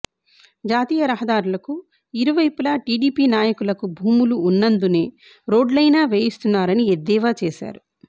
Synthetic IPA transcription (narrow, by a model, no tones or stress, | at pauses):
d͡ʒaːt̪iːjɐɾɐɦɐd̪aːɾulɐku | iɾuʋɐjpulaːʈiːɖiːpiːnaːjɐkulɐkubʱuːmuluːnːɐnd̪une̞ː | ɾo̞ːɖlɐjnaːʋe̞ːjist̪unːaːɾɐnied̪ːɛːʋaːt͡ʃeːʃa̰ːɾu